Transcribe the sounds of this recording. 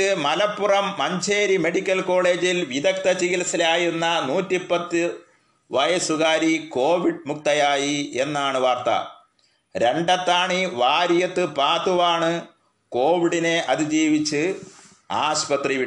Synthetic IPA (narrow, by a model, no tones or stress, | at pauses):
ɨmɐlɐpːurɐmːɐɲd͡ʑʰʱeːɾime̞ɽikʲːɐlko̞ːɭe̞ːd͡ʑilʋiðɐkt̪ɐt͡ɕiɣilɐsilaːjunːɐnuːtːipːɐt̪ːɨ | ʋɐjɐsuɣaːɾiko̞ːʋiɽmuk̚t̪ɐjaːjie̞nːaːɳɨʋaːrt̪ɐ̰ | ɾe̞ɳɖɐt̪ːaːɳiʋaːɾijɐt̪ːɨpaːt̪uʋaːɳɨ | ko̞ːʋiɽine̞ʔɐðid͡ʑiːʋit͡ɕːɨ | aːɕpɐt̪riʋi